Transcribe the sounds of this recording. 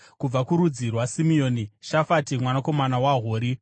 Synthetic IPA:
kub͡vakuɾud͡zirwasimio̞ːniʃafatimwanako̞manawaɦoːɾi

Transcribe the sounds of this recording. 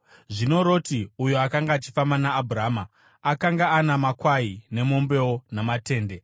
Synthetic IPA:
ʐino̞ɾo̞ːtiujoakaŋɡaːt͡ʃi̥fambanaːbʱuɾaːmaː | kaŋɡaːnamakwaine̞mo̞mbe̞wonamate̞ːnde̞

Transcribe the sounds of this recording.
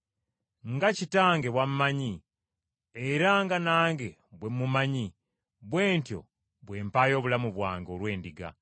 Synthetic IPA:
ŋɡacitaːŋɡe̞βwammaɲi | eɾaŋɡanaːŋɡe̞ | βwe̞mːumaɲi | βwe̞ːntjo̞̰ | βwe̞ːmpaːjo̞ːβulamuβwaːŋɡo̞lwe̞ːndiɡa̰

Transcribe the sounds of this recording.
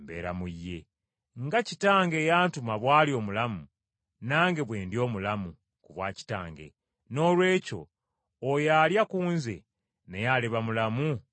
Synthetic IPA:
mbḛːɾa̰mujːe̞ | ŋɡacitaːŋɡe̞ːjaːntumaβwaːlio̞ːmulamu | naːŋɡe̞βwe̞ːndjo̞ːmulamu | kuβwaːci̥ta̰ːŋɡḛ | no̞ːlwe̞ːco̞̰ː | jaːljakuːnze̞̰ | nejaleβamulamu

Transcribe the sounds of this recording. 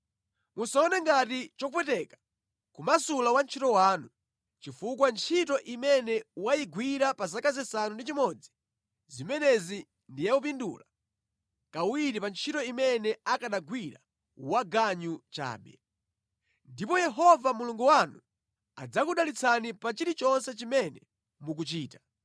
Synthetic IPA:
musaɔnɛŋɡatit͡ʃɔupɛtɛkḁ | kumasulawant͡ʃʰitɔwaːnu | t͡ʃifukwant͡ʃʰitɔʔimɛnɛwajiɡwiɾapazakazɛsanundit͡ʃimɔd͡zi | zimɛnɛzi | ndijaupindṵːla | kawiɾipant͡ʃʰitɔimɛnɛakaɗaɡwiɾa̰ | waɡaɲut͡ʃa̰ːɓɛ̰ | ndipɔjɛɦɔvamuluŋɡuwanu | a̰d͡zakuɗalit͡sʰanipat͡ʃiɾit͡ʃɔnsɛt͡ʃimɛnɛ | muk̬ut͡ʃiːta

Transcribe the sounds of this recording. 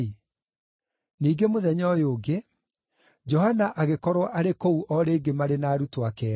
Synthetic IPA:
niːɡemoðɛɲɔjoːɡe | d͡ʒɔhanaʔaɣekɔɾwɔʔaɾekouʔɔɾeːɡemaɾenaːɾutoakɛ

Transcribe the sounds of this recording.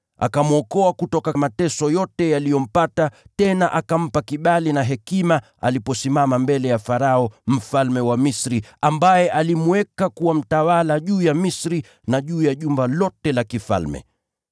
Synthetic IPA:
a̰kamuɔkɔakutɔkamatɛsɔjɔtɛjalijɔm̩patatɛnaʔakam̩pakiɓalinaɦɛkima | a̰lipɔsimamambɛlɛjafaɾaɔm̩falmɛwamisɾiambajɛʔalimuwɛkakuwam̩tawalaʄuːjamisɾi | naʄuːjaʄumbalɔtɛlakifa̰lmɛ̰

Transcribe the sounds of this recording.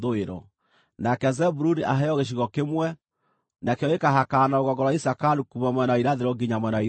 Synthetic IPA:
ðoeɾɔ̰ | nakɛzɛbuɾuniʔaɦɛɔɣeʃ̬iɣɔkemwɛ | nakeɔekaɦakanaoɣɔɡɔɾwaisakaɾukumamwɛnaiɾaðeɾɔɡiɲamwɛnai

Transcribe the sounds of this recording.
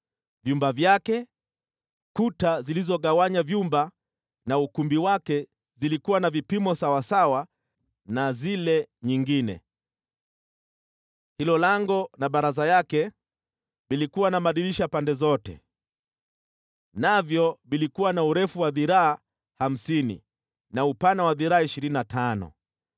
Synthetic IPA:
vjumbavjakɛ | kutazilizɔɠawaɲavjumba | naukumbiwakɛ | zilikuwanavipimɔsawasawa | nazilɛɲiŋɡinɛ̰ | hilɔlaŋɡɔnaɓaɾazajakɛ | vilikuwanamaɗiliʃapandɛzɔtɛ̰ | navjɔvilikuwanauɾɛfuwaðiɾaː | ham̩sinḭ | naupanawaðiɾaaiʃiɾininatʰanɔ̰

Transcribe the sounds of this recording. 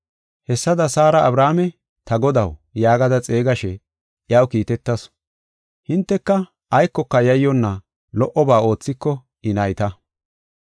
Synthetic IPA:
hɛsːɐd̪ɐsaːɾɐʔɐbɾaːmɛ | t̪ɐɡɔd̪ɐwjaːɡɐd̪ɐt͡sʼe̞ːɡɐʃɛ | ʔjɐwkiːt̪ɛt̪ːɐs | hɪnt̪ːɛkːɐ | ɐjkːɔkːɐjɐjːɔnːɐ | lɔʔɔbaːo̞ːt͡sːɪkːɔ | ɪnɐjt̪ɐ

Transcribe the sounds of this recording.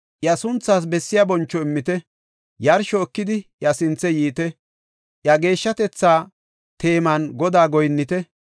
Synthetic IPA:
ʔjɐsʊnt͡sːaːs̬bɛsːɪjabɔnt͡ʃːɔɪmːɪt̪ɛ | jɐɾʃɔːkːɪd̪ɪjɐsɪnt͡sːɛjiːt̪ɛ | ʔjɐɡe̞ːʃːɐt̪ɛt͡sːaː | t̪e̞ːmɐnɡɔd̪aːɡɔjnːɪt̪ɛ

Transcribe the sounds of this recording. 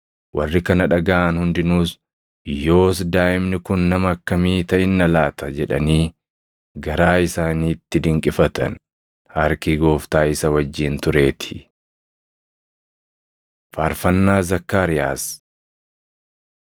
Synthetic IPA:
wʔɐ̰rːɪkɐnɐᶑɐɡaʔːnhʊnd̪ɪnuːs | jo̞ːsd̪aːʔɪmnɪkʊnːɐmɐːkːɐmiːt̪ɐʔɪnːɐlaːt̪ɐd͡ʒɛᶑɐ̰niː | ɡɐɾaːɪsaːniːt̪ːɪd̪ɪŋkʼɪfɐt̪ɐ̰n | hɐɾkiɡo̞ːft̪aːɪsɐwɐd͡ʒːiːnt̪ʊɾe̞ːt̪ʰɪ̥ | faːɾfɐnːaːzɐkːaːɾɪja̰ːs

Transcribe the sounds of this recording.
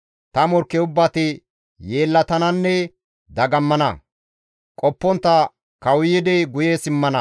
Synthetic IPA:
t̪ɐmɔɾkːɛʊbːɐt̪ɪ | jeːlːɐt̪ɐnɐnːɛ | d̪ɐɡɐmːɐnɐ̰ | kʼɔpːɔnt̪ːɐ | kɐwjɪd̪ɛɡʊjeːsɪmːɐnɐ

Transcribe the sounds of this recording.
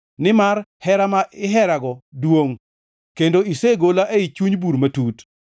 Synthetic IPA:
nɪmarhɛɾamaɪɦɛɾaɡɔdwoŋ | kendoiseɡolaʔeit͡ʃuɲbuɾmatut

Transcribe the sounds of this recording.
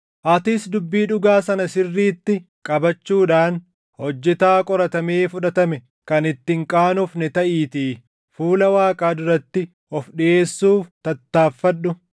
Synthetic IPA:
ʔɐt̪ɪsd̪ʊbːiːᶑʊɡaːsɐnɐsɪrːiːt̪ːɪ | kʼɐbɐt͡ʃːuːᶑaːn | hɔd͡ʒːɛt̪aːkʼɔɾɐt̪ɐmeːfʊᶑɐt̪ɐmɛ | kɐnɪt̪ːɪŋkʼaːnʊfnɪt̪ɐʔiːt̪iː | fuːlɐwaːkʼaːd̪ʊɾɐt̪ːɪ | ɔfɗɪʔe̞ːsːuːft̪ɐt̪ːaːfːɐɗːʊ

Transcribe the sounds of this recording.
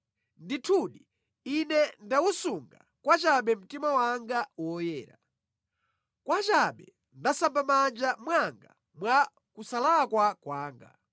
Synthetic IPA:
nditʰuɗi | inɛndawusuŋɡa | kwat͡ʃaɓɛm̩timawaŋɡawɔjɛːɾa | kwat͡ʃaɓɛ | ndasampamand͡ʒamwaŋɡa̰ | mwa | kusalakwakwaːŋɡa̰

